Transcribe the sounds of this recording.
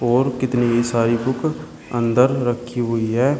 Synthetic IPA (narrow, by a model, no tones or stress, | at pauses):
ɔːɾkɪt̪niisaːɾibʊkʰ | ə̃nd̪əɾɾəkʰːiɦʊiɦɛː